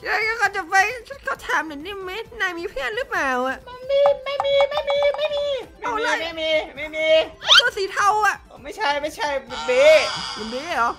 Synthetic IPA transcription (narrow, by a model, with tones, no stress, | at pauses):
ɾa˧jkɔː˥˩kɔː˧˩t͡ɕa˨˩pa˧jt͡ɕʰa˦˥˩kʰaː˥˩t̪ʰaː˨˦mna˨˦niː˥˩ma˦˥naː˧˩jmiː˧pʰi˥˩˨nɾɯː˦˥˩p̚maː˧˩wa˨˩ʔma˧ndiː˧ma˥˩jmiː˧ma˥˩jmiː˧ma˥˩jmiː˧ma˧˩la˧ma˥˩miː˧ma˥˩jmiː˧ma˥˩t̪u˧siː˨˦t̪ʰa˧˩wa˨˩ʔʰo˨˦ma˥˩jt͡ɕʰa˥˩jma˥˩jt͡ɕʰa˥˩jmu˧nbiː˧˥ma˨˧ndiː˧˦˥ɔ˨˦˥